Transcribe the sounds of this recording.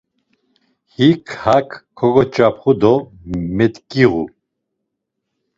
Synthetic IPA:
hikʰhakːʰɔɡɔt͡ʃʼapʰχud̪ɔ | mɛt̪kʼiʁṵ

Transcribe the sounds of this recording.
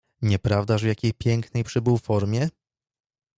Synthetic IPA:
ɲɛpɾavd̪aʐvjakʲejpʲjɛŋknɛjpʂɘbɘwfɔɾmʲjɛ

